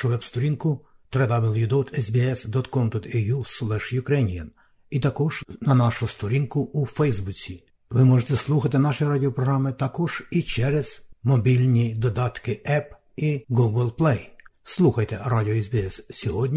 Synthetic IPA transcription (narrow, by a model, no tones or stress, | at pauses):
ʃʊʋɛbst̪ɔɾʲinkʊt̪ɾɛd̪abɪlˠjud̪ɔt̪ɛzbʲiɛsd̪ɔt̪kɔmd̪ɔt̪ɛjuslˠɛʃjʊkɾɛnʲijɐn | it̪ɐkɔʒ̥nɐnɑʃʊst̪ɔɾʲinkʊufɛjzbut͡sʲi | ʋɪmɔʒet̪ɛslˠuxɐt̪̬ɪnɑʃɔjɾadʲɪɔpɾɔɦɾɑmɪt̪ɑkɔʒ̥it͡ʃɛɾɛz̥mɔbʲilʲnʲid̪ɔd̪ɑt̪kɪʔɛp | iɡuɡlˠplˠɛjslˠuxɐjt̪ɛɾadʲɪɔɛzbʲiɛssʲɔɦɔdʲnʲ